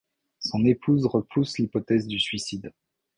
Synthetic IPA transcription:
sɔ̃nepʰuzʁəpʰuslipɔt̪ɛzd̪ysɥisid̪

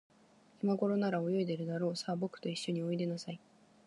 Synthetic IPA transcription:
imaɡo̞ɾo̞naɾao̞jo̞id̪e̞ɾɯ̟d̪aɾo̞ːsaːbo̞kɯ̟̥t̪o̞iɕːo̞ɲ̟io̞id̪e̞nosai

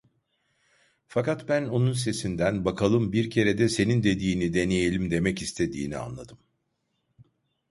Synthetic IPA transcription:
fakat̪bæno̞nunse̞sind̪ænbakʰalˠɯmbiɾcʰe̞ɾed̪ɛse̞nind̪e̞d̪iːnid̪e̞neje̞lʲimd̪e̞mɛcist̪ʰe̞d̪ḭːnia̰nlˠa̰d̪ɯm

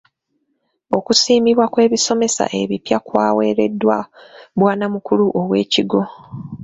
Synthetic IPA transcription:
o̞kusiːmiβwakwe̞ːβiso̞me̞sa̰ʔe̞βipjakwaːwe̞ːɾe̞dːwaβwaːnamukuluʔowe̞ːciɡo̞

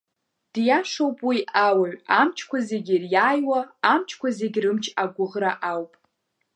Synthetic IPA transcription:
d̥jaʂowpʼwiawaɥamt͡ʃʰkʷʰazeɡʲirjaːjwaːmt͡ʃʰkʷʰazeɡʲrɨmt͡ʃʰaɡʷʊʁraʔawpʼ

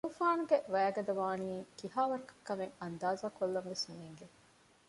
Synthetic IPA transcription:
uːfaːnuɡeʔʋæːɡɐd̪ɐʋaːniːkiɦaːʋɐɾɐkɐ̥kːɐmeŋɐnd̪aːzaːkolːɐmʋesneːŋɡe

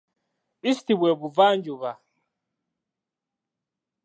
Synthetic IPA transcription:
istibwɛbuvand͡ʒuβa

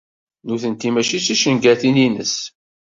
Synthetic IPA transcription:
nuθənt̪imæʃit͡sːiʃənɡæθininə̰s

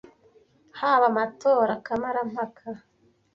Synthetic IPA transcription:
haβamatoːɾakamaɾam̥hakʰa

